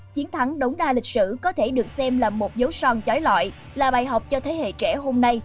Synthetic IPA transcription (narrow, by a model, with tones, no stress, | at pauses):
t͡ɕi˨˦ənt̪ʰa˨˦ŋɗə˨˦wŋ͡mɗaː˧lï˨˩k̚sɨ̰˧˨kɔ˨˦t̪ʰe˧˩ɗɨ˨˩ək̚sɛ˧mlaː˨˩mo˨˩t̚zə˨˦wsɔ˧˩nt͡ɕɔ˨˦jlwa̰ː˧˨j | laː˨˩ɓaː˨˩jɦa˨˩wk͡p̚t͡ɕɔ˧t̪ʰe˨˦hḛ˧˨t͡ɕɛ˧˩ɦo˧mna˧j